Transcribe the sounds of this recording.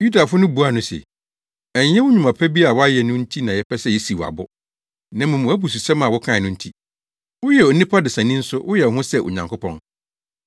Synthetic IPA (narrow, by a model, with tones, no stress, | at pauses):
ju˦da˨fʊ˦nʊ̃˦bu˨˦a˨nʊ̃˦sɛ̰˨ | ɛ˨ɲ˦jɛ̃˦wʊ˦ɲũ˨mã˨pʰɛ˦bi˦a˨wʊ˦a˦jɛ˨nʊ̃˦n̩˦tʰi˦nã˨jɛ˨pʰɛ˦sɛ˦˨jɛ˦si˨wa̰˨bʊ˦ | nã˨mʊ̃˨mʊ̃˨˦æ˦bu˨s̬u˨sɛ˦mã˨wʊ˦kʰã˦˨ɪ˨nʊ̃˦n̩˦tʰi˦ | wʊ˦jɛ˨o˨nĩ˦pʰa˦dɪ˨sã˨nĩ˦n̩˦sʊ˦wʔʊ˦jɛ˨wʊ˨˦ɦʊ̃˦sɛ˦ʔo̰˨ɲã˨ŋkʰʊ˦pʰɔ̃˦n